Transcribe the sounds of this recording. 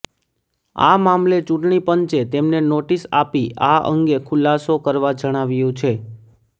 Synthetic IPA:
a̰mamlet͡ʃũʈɳipəɲt͡ʃet̪emnenoʈisapiʔaʔə̰ŋɡekʰʊlasokəɾʋad͡ʒəɽ̃aʋjũt͡ʃʰe

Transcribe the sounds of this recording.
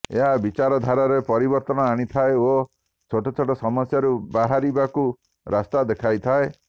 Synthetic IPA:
ḛɦabit͡ʃaɾɔd̪ʱaɾɔɾepɔɾibɔɾt̪ɔnɔaɽ̃it̪ʰaeo | t͡ʃʰoʈɔt͡ʃʰoʈɔsɔmɔsjaɾubaɦaɾibaku | ɾast̪ad̪ekʰajt̪ʰae

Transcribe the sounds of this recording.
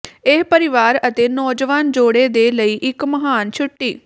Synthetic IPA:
eːpəɾɪʋaːɾət̪eːnɔːd͡ʒʋaːnd͡ʒoːɽeːd̪eːləiːʔɪkməɦaːnt͡ʃʰʊʈːiː

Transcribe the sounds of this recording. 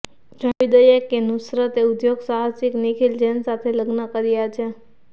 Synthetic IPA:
d͡ʒəʋid̪əjekenusɾət̪eud̪joɡsaɦasiknikʰild͡ʒɛnsat̪ʰeləɡnəkəɾijat͡ʃʰe

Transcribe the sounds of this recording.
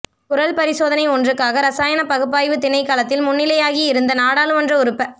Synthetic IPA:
kʊɾɐlpɐɾɪsoːðɐnɐɪɔndrɯkːaːɣɐɾɐsaːjɐnɐpɐɣɯpːaːjʋɯt̪ɪnɐɪkaːlɐt̪ːɪlmʊnːɪlɐjaːɣiɪɾɯnd̪ɐnaːɽaːlɯmɐndrɐʊɾɯpːɐ

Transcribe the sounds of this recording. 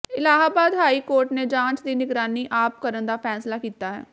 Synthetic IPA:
ɪlaːɦaːbaːd̪ɦaːiːkoːɾʈneːd͡ʒãːnt͡ʃd̪iːnɪɡɾaːniːʔaːp̚kəɾənd̪aːpʰɛːslaːkiːt̪aːɦɛ̰ː

